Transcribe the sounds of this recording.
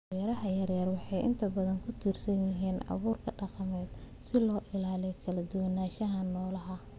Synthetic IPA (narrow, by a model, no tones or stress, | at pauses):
jɐɾɐɦɐjɐrjɐrwɑħɑjʔɪ̰nt̪ʰɐbɐðɐŋkʰʊt̪ʰiːrsɐnjɪɦiːnɑ̰βuːrkʰɐɖɑqɑmɛːd̪ | sɪlɔːʔɪlaːlɛjkʰɐlɐd̪ʊwɐnaːʃɐɦɐnɔːlɐɦɐ